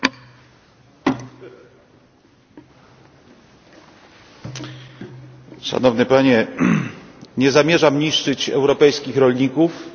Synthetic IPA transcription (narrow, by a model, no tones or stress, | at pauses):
ʂa̰nɔvnɘpaɲɛ | ɲɛzamʲjɛʐamɲiʂt͡ʂɘt͡ɕɛ̰wɾɔpɛjskʲixɾɔlɲikuf